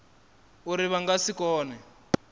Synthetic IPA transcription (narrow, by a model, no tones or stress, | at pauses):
uɾiβaŋɡasikɔːnɛ